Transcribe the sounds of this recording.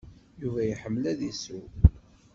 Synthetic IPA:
juvæjəħəmːlæðisu

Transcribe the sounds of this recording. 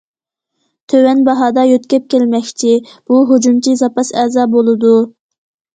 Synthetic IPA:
t̪ʰøwɛnbɑɦɑːd̪ɑjøt̪kʲɛp̚kʲelmɛkʲt͡ʃʰib̥uɦod͡ʒumt͡ʃʰizɑpɑsɛːzɑːbolˠɨd̪u

